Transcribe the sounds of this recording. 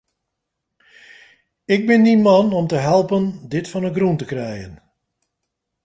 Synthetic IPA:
ɪɡ̚bɪndimɑnɔmtəɦɛlˠpəndɪtfɔnəɡruntəkrɛjən

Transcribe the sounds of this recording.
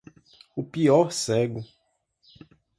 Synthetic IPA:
upiɔɾsɛɡʊ

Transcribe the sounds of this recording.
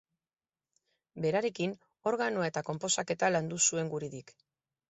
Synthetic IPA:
be̞ɾaɾe̞kin | o̞ɾɣanoae̞t̪ako̞mpo̞sake̞t̪aland̪usue̞ŋɡuɾiðik

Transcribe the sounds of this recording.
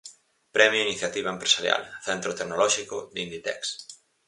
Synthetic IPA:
pɾɛmjoiniθjat̪iβ̞aempɾesaɾja̰lθɛnt̪ɾot̪eknolɔʃikʊd̪ind̪it̪ɛ̰ks

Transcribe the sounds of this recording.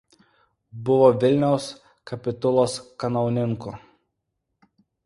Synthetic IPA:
bʊʋoːʋʲɪlʲnʲɛʊs | kɐpʲɪt̪ʊlˠoːskɐnɐʊnʲɪŋkʊ

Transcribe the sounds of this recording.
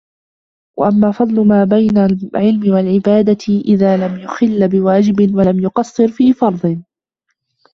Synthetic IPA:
wa̰ʔamːaːfɑd̪ˤlʊmaːbajnaʕɪlmɪwalʕɪbaːd̪aʔɪðaːlamjʊxɪlːbɪwaːd͡ʒɪbɪnwalamjʊqɑsˤːɨɾfiːfɑɾˤd̪ˤɨ

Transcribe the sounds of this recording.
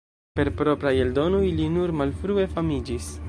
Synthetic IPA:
pe̞ɾpɾo̞pɾajeldo̞nojlinuɾmalfɾue̞famid͡ʒis

